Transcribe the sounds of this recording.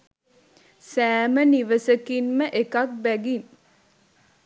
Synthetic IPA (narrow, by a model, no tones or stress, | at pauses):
sæːməniʋəsəkinməʔekak̚bæɡin